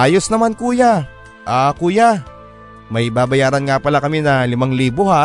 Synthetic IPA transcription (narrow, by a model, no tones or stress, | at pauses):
ʔaːjosnɐmankuːja | ʔakuːja | mɐjbaːbɐjaːɾɐnŋapɐlakɐminɐlɪmaŋliːboha